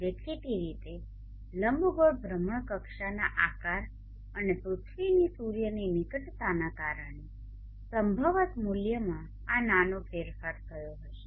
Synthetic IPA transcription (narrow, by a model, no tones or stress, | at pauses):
ʋəkt̪it̪iɾit̪e | ləmbʱɡoɾbʱɾəməɳ̃kəkʃana̰ʔakaɾ | ənepɾut̪ʰʋinisuɾjəninikəʈt̪anakaɾəɳ̃e | səmbʱəʋət̪muljəmã | ananofeɾfaɾt̪ʰəjoɦəʃe